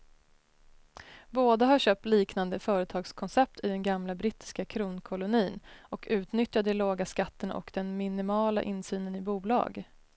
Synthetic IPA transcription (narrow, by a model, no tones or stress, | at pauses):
boːd̪aɦaɕøːp̚t̪liːknand̪əfœːɾət̪ʰɑːɡskʰɔnsɛp̚t̪ʰɪd̪ɛnɡamlabɾɪt̪ɪ̥skakʰɾuːnkʰɔlʊniːnɔkʰʉ̟ːt̪nʏt̪jad̪ɛloːɡaskat̪ːəna̰ʔɔ̰kd̪ɛnmɪnɪmɑːla̰ʔɪnsyːnənɪbuːlɑ̰ːɡ